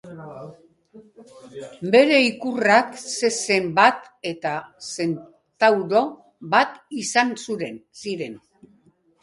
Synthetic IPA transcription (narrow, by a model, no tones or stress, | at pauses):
be̞ɾe̞ikurakse̞se̞mbat̪ | e̞t̪ase̞n | t̪awɾo̞ | bat̪isansuɾe̞nsiɾe̞n